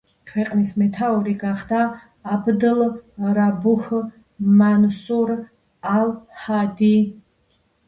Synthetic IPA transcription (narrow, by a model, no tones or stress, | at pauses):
kʰwɛqʼnismɛt̪ʰauɾiɡaχd̪aː | bd̪əlɾabuh | mansuɾ | alhad̪i